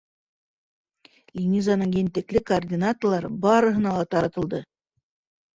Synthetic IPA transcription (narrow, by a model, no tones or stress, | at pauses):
lʲinʲizanɤɴjent̪ɘ̆klɘkordʲinat̪ŏrlˠɑɾbɑɾɤ̆ɦɤ̆nɑlˠɑt̪ɑɾɑt̪ɤ̆lˠd̪ɤ